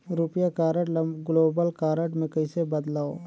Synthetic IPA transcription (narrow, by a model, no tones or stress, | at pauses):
ɾʊpjakaːɾəʈɡloːbəlkaːɾəʈmẽkɐɪsebɐd̪laːo